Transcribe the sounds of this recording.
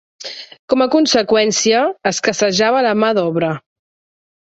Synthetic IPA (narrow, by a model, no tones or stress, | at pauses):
kɔməkunsəkwɛnsiəːskəsəʒaβələmaðɔβɾə